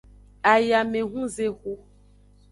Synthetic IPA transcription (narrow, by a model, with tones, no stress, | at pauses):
a˨ja˨mẽ˨ɦũ˦ze˦xo˦